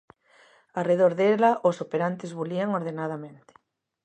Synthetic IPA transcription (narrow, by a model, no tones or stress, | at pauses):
areð̞oɾðelaʔosopeɾant̪ɪzβuliaŋoɾðenað̞amẽnt̪ɪ̥